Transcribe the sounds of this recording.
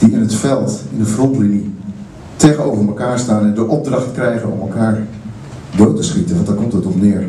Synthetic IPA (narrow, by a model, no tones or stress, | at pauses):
d̥iɪnətfɛlˠtɪndəfruplini | teːɣənowvərməkaːɹstaːnɛndəʔɔb̚draχtkrɛjɣənɔ̰məlˠkʰaːɹ | doːtəsχitəʋɑ̃ndaːkɔmtətɔpnɪər